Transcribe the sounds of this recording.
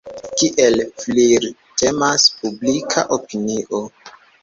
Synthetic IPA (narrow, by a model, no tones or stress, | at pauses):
kiʔelfliɾ | temaspublikʰaʔopiniʔo